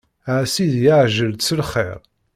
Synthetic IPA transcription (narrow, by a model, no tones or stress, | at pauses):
ʕsiðjaʕʒəlsəlχḛɾˤ